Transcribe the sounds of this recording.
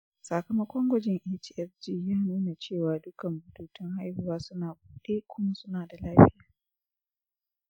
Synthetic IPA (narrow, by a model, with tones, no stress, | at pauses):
sa˨kɐ˨mɐ˦kʷɔ˦ŋɡʷɐ˦d͡ʒɪ˨ŋʔɛː˦t͡ʃi˨ɛ˦sd͡ʒiː˦jaː˦nuː˦na˨t͡ʃeː˦˨waː˨dʊ˦kɐ˨mbʊ˨tuː˦tɪ˦ŋha˦jhʊ˨waː˦sʊ˦naː˨b̚uː˨ɗeː˦kʷʊ˦ma˦sʊ˦naː˨da˨laː˦ɸɪ˦jaː˨